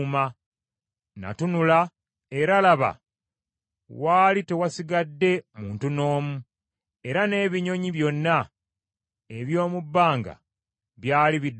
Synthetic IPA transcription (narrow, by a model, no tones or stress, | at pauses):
ma | na̰tunula | e̞ɾalaβa̰ | waːlite̞wasiɡadːe̞muːntuno̞ːmu | e̞ɾane̞ːβiɲo̞ɲiβjo̞nːa | eβjo̞ːmubːaːŋɡa̰ | βjaːliβid